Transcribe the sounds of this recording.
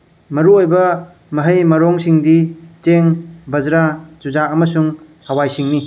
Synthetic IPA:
mɐɾuojbɐ | mɐɦɐjmɐɾoŋsiŋdit͡ʃeŋbɐzɾat͡ʃud͡ʒaɐmɐsuŋ | hɐwajsiŋni

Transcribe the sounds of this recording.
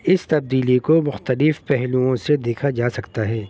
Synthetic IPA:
ɪst̪ɐb̚d̪iːlikomʊxt̪əlɪfpɛɦluõsed̪eːkʰad͡ʒaːsɐkt̪aɦɛː

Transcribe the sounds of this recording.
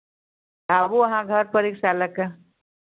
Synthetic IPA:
abuəɦãɡʱəɾpəɾiksaləka

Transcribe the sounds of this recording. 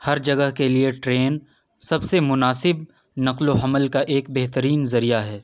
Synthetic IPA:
hɐɾd͡ʒɐɡəɦkelieʈɾeːn | sɐbsemʊnaːsɪb | nɐqloɦɐməlkaʔeːkbeɦt̪əɾiːnzɐɾijaɦɛː

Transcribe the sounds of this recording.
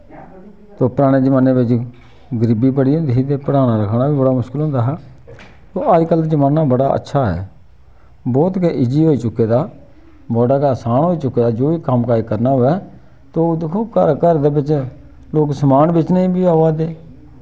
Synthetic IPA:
t̪oːpəɾaːɽ̃eːd͡ʒəmaːneːbɪt͡ʃ | ɡəɾɪbiːbəɽiːɦõnd̪iːɦiːt̪eːpəɽaːnaːɾəkʰɽaːbiːbəɽaːmʊʃkɪlɦõːnd̪aːɦɛː | t̪oːʔəd͡ʒkəld͡ʒəmaːnaːbəɽaːə̰tːʃʰaːɦɛ̰ː | bɔːt̪keʔɪd͡ʒiːɦoːiːt͡ʃʊkːeːd̪aː | bɔːɖaːkaːsaːnɦoːiːt͡ʃʊkːeːd̪aːd͡ʒoːiːkəmkaːiːkəɾnaːɦʊːɛː | t̪oːd̪ɪkʰoːkə̰ɾkəɾd̪eːbɪt͡ʃ | loːksəmaːnbɪt͡ʃnəĩːbiːaːʋaːd̪eː

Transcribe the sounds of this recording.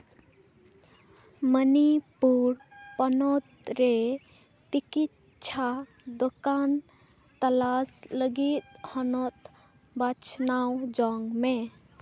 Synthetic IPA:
mənipuɾpənot̪ɾe | t͡ʃikit | t͡ʃʰa | d̪okan | t̪əlasləɡit̪̚hənot̪ | bat͡ʃʰnawd͡ʒɔŋɡme

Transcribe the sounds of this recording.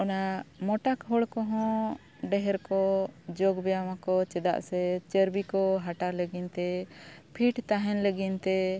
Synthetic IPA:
ɔnamɔʈakɦɔɽkɔɦɔ̃ | ɖɛɦɛɾkɔd͡ʒɔɡbɛjawakɔt͡ʃɛd̪a̰ʔsɛt͡ʃəɾbikɔɦaʈaɾləɡint̪ɛpʰiʈt̪aɦɛnləɡint̪ɛ

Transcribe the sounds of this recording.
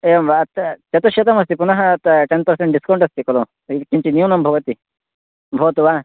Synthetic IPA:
eʋat̪t͡ʃɐt̪oʃjɐt̪ɐmɐs̬t̪ipunɐɦɐt̪ʈenpɐɾsẽɳʈ̚ɖiskɐ̃w̃ɳʈɐst̪ikɐlo | ikimt͡ʃinijunɐmbʱɐʋɐt̪i | bʱɐʋɐt̪uʋa

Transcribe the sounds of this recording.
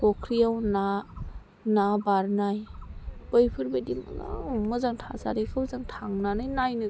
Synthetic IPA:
kɔkʰɾijawna | nabaɾnajb̥ɯjpʰɯɾbedima̰za̰mɯzaŋtʰasaɾekʰɯwzaŋtʰaŋnanɯjnajnɯ

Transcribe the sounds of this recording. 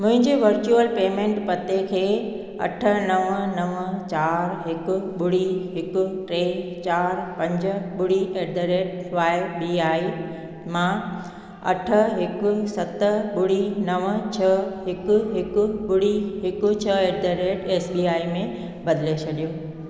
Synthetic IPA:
mʊ̃ɦɪ̃ɲd͡ʑeʋɐɾt͡ɕuəlpeːmẽːɳʈpɐt̪ekʰeː | ɐ̰ʈʰə̆nɐʋnɐʋət͡ɕaːɾɦɪkʊ̆ɓʊɽiɦɪkʊ̆ʈɾeːt͡ɕaːɾpɐ̃ɲd͡ʑəɓʊɽiʔeːd̪əɾeːʈʋaːɪbiːaːi | mã | ɐ̰ʈʰə̆ɦɪkʊ̆sɐt̪əɓʊɽinɐʋət͡ɕʰɐɦɪkʊ̆ɦɪkʊ̆ɓʊɽiɦɪkʊ̆t͡ɕʰɐeːɖd̪əɾeːʈeːsbiːaːimẽ | bɐd̪ɪlet͡ɕʰɐɗijoː

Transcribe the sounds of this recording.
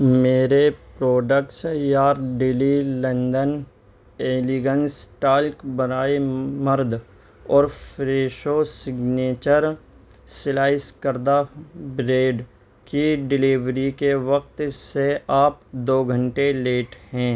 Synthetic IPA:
meːɾepɾoːɖək̚ʈsjaːɾɖɪlilə̃nd̪ən | eːliɡənsʈaːlkbənaːeməɾd̪ʱ | ɔːɾfɾeːʃosɪɡneːt͡ʃəɾ | sɪlaːɪskəɾd̪abɾeːɖ | kiɖɪliːʋɾikeʋək̚t̪seaːp̚d̪oːɡʱə̃ɳʈeleːʈɦɛ̃ː

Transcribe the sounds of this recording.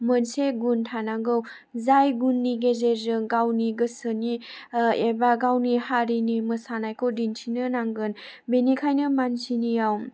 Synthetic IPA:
mənseɡuntʰanaŋɡɯw | zajɡunːiɡezezɯŋɡawniɡɯsɯniebaɡawnihaɾinimɯsanajkʰodintʰinɯnaŋɡɯn | benikʰajnɯmansʰinijaw

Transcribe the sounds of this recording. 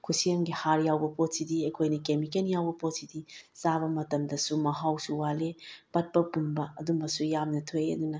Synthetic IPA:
kʰusiɐŋɡihaɾjawbɐpot̚sidiɐkʰojnɐkemikenjawbɐpot̚sidizaβɐmɐtɐmdɐsumɐɦawsuwalepɐt̚pɐpunbɐːdumbɐsujamnɐtʰojɐ̰dunɐ

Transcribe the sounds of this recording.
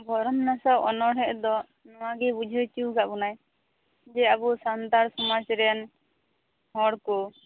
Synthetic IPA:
bʱɔɾɔmnasaʔɔnɔɽɛʔd̪ɔ | nɔwaɡɛbud͡ʒʱət͡ʃuwɡaʔbunaj | d͡ʒɛabusant̪aɾsɔmad͡ʒɾɛjan | hɔɽkɔ

